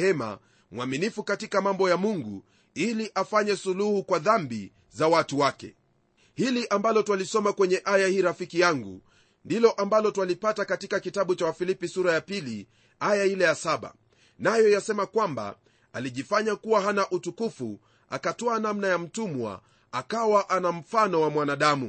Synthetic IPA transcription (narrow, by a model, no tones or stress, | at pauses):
ɛma̰ | mwaminifukatikamambɔjamuŋɡṵ | iliʔafaɲɛsuluhukwaðambi | zawatuwakɛ̰ | hiliʔambalɔtwalisɔmakwɛɲɛʔajahiːɾafikijaŋɡṵ | ndilɔʔambalɔtwalipatakatikakitaɓut͡ʃawafilipisuɾajapili | ajailɛjasaɓa̰ | najɔjasɛmakwamba̰ | aliʄifaɲakuwaɦanaʔutukufṵ | a̰katɔanamnajam̩tumwa̰ | akawaʔanam̩fanɔwamwanaɗamu